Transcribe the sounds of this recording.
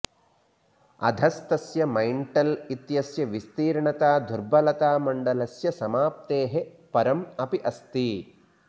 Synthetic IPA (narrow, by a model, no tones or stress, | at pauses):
ɐ̰d̪ʱɐst̪ɐsjɐmɐjɳʈɐlit̪jɐsjɐʋist̪iːɾɳɐt̪aːd̪ʱuɾbɐlɐt̪aːmɐɳɖɐlɐsjɐsɐmaːp̚t̪eːɦe | pɐɾɐmɐpiʔɐst̪i